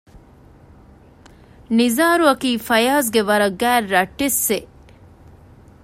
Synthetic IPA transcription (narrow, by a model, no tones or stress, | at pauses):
nizaːɾuɐkiːfɐjaːs̬ɡeʋɐɾɐɡːæːrːɐʈːesːe